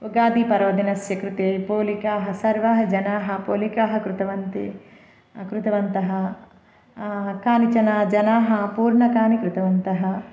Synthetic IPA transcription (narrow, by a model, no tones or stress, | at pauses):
uɡaːd̪ipɐɾoːd̪inɐsjɐkɾut̪eːpoːlikaːɦɐsɐɾʋɐɦɐd͡ʒɐnaːɦɐ̆poːlikaːɦɐ̆kɾut̪ɐʋɐnt̪ḛː | kɾut̪ɐʋɐnt̪ɐɦɐ̆ | kaːnit͡ʃɐnaːd͡ʒɐnaːɦɐpuːɾɳɐkaːnikɾut̪ɐʋɐnt̪ɐɦɐ̆